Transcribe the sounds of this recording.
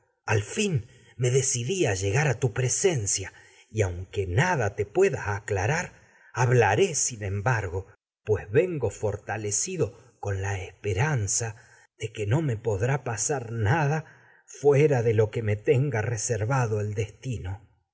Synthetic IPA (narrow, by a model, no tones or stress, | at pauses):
alfin | me̞ðe̞siðiaʒe̞ɣaɾat̪upɾese̞nsja | iawŋkenaðat̪e̞pwe̞ðaːklaɾaɾ | aβlaɾe̞sinẽ̞mbaɾɣo̞ | pwezβeŋɡo̞fo̞ɾt̪alesiðo̞ | ko̞nlaespeɾansa | ðekeno̞me̞po̞ðɾapasaɾnaða | fweɾaðelo̞keme̞t̪eŋɡareseɾβaðo̞eld̪est̪ino̞